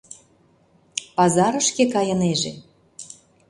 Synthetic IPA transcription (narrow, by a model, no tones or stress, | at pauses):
pɑzɑɾɤ̆ʃkekɑjɤ̆neʒḛ